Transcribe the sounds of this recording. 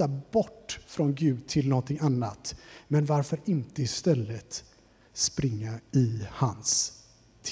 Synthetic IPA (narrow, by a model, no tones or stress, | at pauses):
abɔʈːfɾɔnɡʉ̟ːd̪̚t̪ʰɪlnɔnt̪ʰɪŋanːat̪mɛnvaɾfœɾɪnt̪əɪst̪ɛlːət̪ | spɾɪŋːaɪhans | t̪ʰ